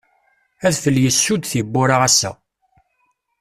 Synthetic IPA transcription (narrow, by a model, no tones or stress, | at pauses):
æðfəlːjəsːud̪θibːʊɾaʁæsːæ̰